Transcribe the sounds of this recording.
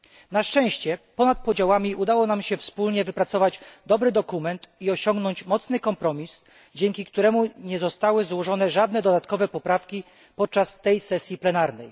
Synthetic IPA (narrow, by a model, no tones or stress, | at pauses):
naʂt͡ʂɛ̃w̃ɕt͡ɕɛpɔnat̪̚pɔd͡ʑawamʲiʔud̪awɔnamɕɛfspulɲɛvɘpɾat̪sɔvad͡ʑd̪ɔbɾɘd̪ɔkumɛnt̪iɔɕɔŋɡnɔɲt͡ɕmɔt̪snɘkɔmpɾɔmʲis | d͡ʑɛŋkʲikt̪uɾɛmuɲɛzɔst̪awɘzwɔʐɔn̪ɛʐad̪nɛd̪ɔd̪at̪kɔvɛpɔpɾafkʲi | pɔt̪̚t͡ʂast̪ɛjsɛsʲjiplɛnaɾnɛj